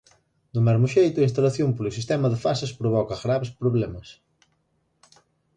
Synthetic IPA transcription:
d̪ʊmɛzmʊʃejt̪ʊɐinst̪ɐlɐθjõmpolʊsist̪ɛmɐðɪfasɐspɾoβɔkɐɣɾaβespɾoβlɛmɐs

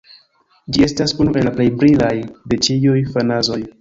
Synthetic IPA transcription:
d͡ʒie̞stasunuʔe̞laple̞jbɾilajde̞t͡ʃiujfanazo̞j

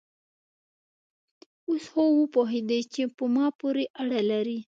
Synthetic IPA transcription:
oshowəpoɦed̪at͡ʃepəmɑpoɾeʔaɽalaɾi

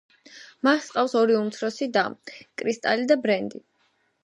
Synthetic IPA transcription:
masqʼafsɔɾiumt̪sʰɾɔsid̪akʼɾist̪ʼalid̪abɾɛnd̪i

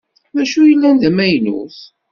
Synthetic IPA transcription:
ðæʃujəlːænðæmæjnṵθ

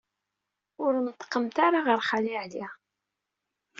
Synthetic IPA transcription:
ʊɾnt̪ːə̥qːəmt̪aɾaʁəɾχalɪʕli

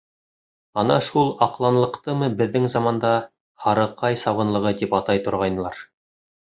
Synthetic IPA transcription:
ɑnɑʃulˠɑqlˠɑnlˠɤ̆qt̪ɤmɤbɘ̆ðːɘŋzɑmɑnd̪ɑ | hɑɾɤ̆qɑjsɑβɤ̆nlˠɤ̆ʁɤt̪ipɑt̪ɑjt̪ŏɾʁɑjnɤlˠɑɾ

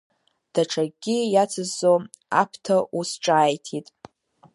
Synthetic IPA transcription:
d̥aʈ͡ʂʰaɡʲijat͡sʰɨzːo | a̰pʰtʰaʔusʈ͡ʂʼaːjtʰitʼ

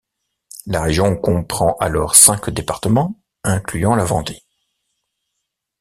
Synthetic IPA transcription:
laʁeʒjɔ̃kɔ̃pχɑ̃ʔalɔʁsɛ̃kd̪epaʁt̪əmɑ̃ | ɛ̃klyɑ̃lavɑ̰̃d̪e

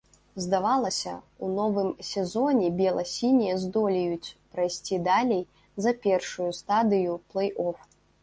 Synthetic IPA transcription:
zd̪avalˠɐsʲɐ̰ | unɔvɨmsʲɛzɔnʲɛbʲɛlˠɐsʲinʲijɐzd̪ɔlʲijut͡sʲpɾajsʲt͡sʲid̪alʲej | zɐpʲɛrʂujust̪ad̪ɨjuplˠɛjʔɔf

